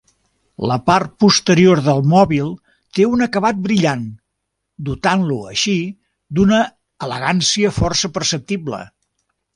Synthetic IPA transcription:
ləpart̪̚pust̪əɾioɾðəlˠmɔβilˠ | t̪eunəkəβat̪̚bɾiʎan | d̪ut̪anluə̰ʃi | d̪unə | ələ̰ɣansiəfɔrsəpərsəp̚t̪iblə̰

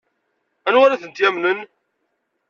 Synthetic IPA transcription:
ænwaɾæθənt̪jæmnən

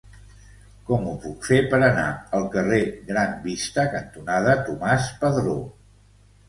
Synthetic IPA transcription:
kɔmupukfepəɾəna̰əlˠkəreɣɾambist̪əkənt̪unað̞ət̪umaspəðɾo

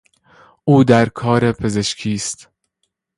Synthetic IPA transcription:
ʔuːd̪æɾkʰɒːɾe̞pʰe̞ze̞ʃkʰiːst̪

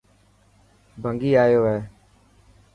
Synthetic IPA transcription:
bʱəŋɡiːaːjoːɦɛː

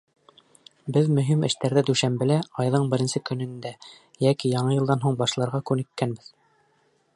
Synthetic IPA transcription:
bɘðmɵ̆ɦimɘ̰̆ʃt̪æɾðæd̪ʉʃæmbɘ̆læɑjðɤɴbɘ̆ɾɘ̆nsɘkɵ̆nɘ̆nd̪æ | jækijɑɴɤjɤ̆lˠd̪ɑnɦuɴbɑʃlˠɑɾʁɑkʉnɘ̆kːænbɘð

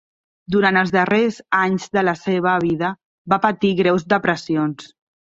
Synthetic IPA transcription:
d̪uɾant̪əlˠzðərezaɲzðələseβ̞əβ̞iðə | bapət̪iɣɾɛwzd̪əpɾəsions

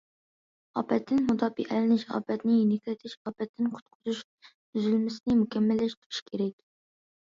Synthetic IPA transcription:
ɑ̰ːpɛt̪ʰːɪnmut̪ʰɑːbḭʔælɪnɪʃɑ̰ːpɛt̪nɪjinɪkʲlɪt̪ʰɪʃɑːpɛt̪ʰːɪnqʰʊ̥t̪̚qʰʊzuʃ | b̪yzylmɪsɪnɪmukʲʰɛmːɪlːɪʃt̪ʰʊ̥ɾʰɪ̥ʃkʲʰeɾɛkʲ

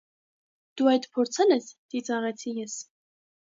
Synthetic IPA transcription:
d̪̥uɑjt̪pʰɔɾt͡sʰɑnɛst̪it͡sɑʁɛt͡sʰijɛs

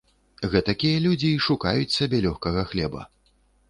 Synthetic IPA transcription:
ɣɛt̪ɐkʲijɐlʲud͡zʲiːʂuka̰jut͡sʲsʲabʲɛlʲɔxkɐɣɐxlʲɛbɐ̰

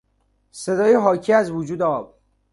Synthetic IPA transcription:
se̞d̪ɒːjeɦɒːcʰiæzvud͡ʒuːd̪eɒːb̚

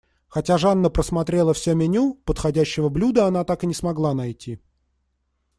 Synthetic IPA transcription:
xɐtʲaʐanːəpɾəsmɐt̪ɾʲe̞lˠəfsʲɵmʲɪnʲupət̪xɐdʲæɕːɪvəblʲud̪əɐn̪at̪akɨnʲɪsmɐɡlˠanɐjtʲʰi

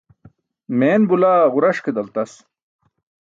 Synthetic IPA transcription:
meːnbulaːʁuɾɐʂked̪ɐlt̪ɐs

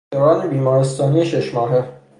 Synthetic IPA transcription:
oɾɒːnebiːmɒːɾest̪ɒːnijeʃeʃmɒːɦe

